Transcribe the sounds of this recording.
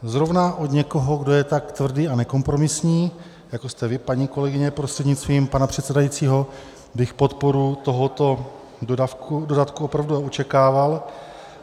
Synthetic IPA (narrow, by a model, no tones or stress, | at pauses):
zɾo̞vnaʔo̞d̪ɲɛko̞ɦo̞ɡdo̞jɛt̪akt̪vr̩diːanɛko̞mpɾo̞mɪsɲiː | jako̞st̪ɛvɪpaɲiːko̞lɛɡɪɲɛpɾost̪r̥ɛdɲɪtst̪viːmpanapr̝̥ɛt̪sɛdajitt͡siːɦo̞ | bɪxpo̞t̪po̞ɾut̪o̞ɦo̞t̪o̞ | dodafkudo̞dat̪kuopɾavduaʔot͡ʃɛkaːval